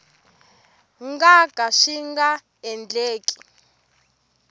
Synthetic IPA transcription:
ŋɡaɡ̥ʱaʃiŋɡa | ɛnd͡ɮeːkʼi̥

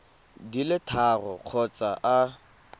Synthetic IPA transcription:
dilɪtʰarɔ̰q͡χʰɔt͡saʔa

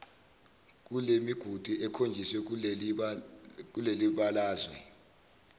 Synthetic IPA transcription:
k̬ulemiɡ̥ʱud̥ʱuʔɛkʰond͡ʒʱiswɛ | k̬uleliɓalaːzwɛ̰

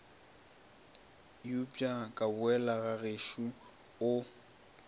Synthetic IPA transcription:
jupʼjakʼabʊɛlaɣaɣeʃu | ʊ

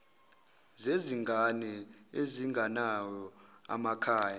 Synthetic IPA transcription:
zeziŋɡʱanɛeziŋɡʱanajɔa̰makʰaːja

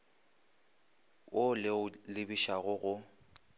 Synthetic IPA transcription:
ʔʊlɪʊlɪbiʃaɣʊɣʊ

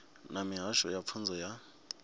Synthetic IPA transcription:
namiɦaʃɔjap̪fʰund͡zʱɔja

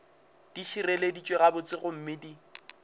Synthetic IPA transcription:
d̥iʃireledit͡ʃʼweɣabʊt͡sʼɪɣʊm̩mɪdi

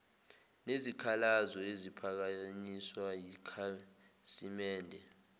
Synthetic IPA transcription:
nezikʰalazɔezipʰak̬aɲiswajikʰa | simɛːndʱɛ

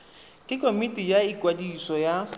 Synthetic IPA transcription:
kʼɪkʰʼomitʼijaikʼwadisɔja

